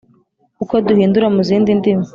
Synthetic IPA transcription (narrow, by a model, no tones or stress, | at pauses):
uko̞duhiːnduɾamuziːndindimo